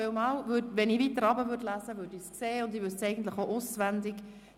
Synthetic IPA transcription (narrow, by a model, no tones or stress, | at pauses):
ɪwmɑːlvʏdʋɛniːvit̪əɾɑbəvʏdlæzəvøɾdiskseːʊnd̪iʋʏdsɛɪɡən̩t̪ləχoʔʊsʋænd̪ɪɡ